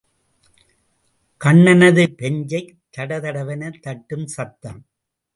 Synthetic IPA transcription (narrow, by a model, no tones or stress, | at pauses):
kɐɳːɐnɐðɯpɛɲd͡ʒɐɪ | t̪ːɐɽɐðɐɽɐʋɐnɐt̪ːɐʈːɯmsɐt̪ːɐm